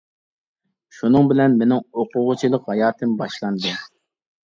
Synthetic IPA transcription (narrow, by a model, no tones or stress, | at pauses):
ʃunɨŋbɪlɛnmenɪŋoqʊʁʊt͡ʃʰilˠəqhɑjɑːt̪ʰɨmbɑʃlˠɑnd̪ɨ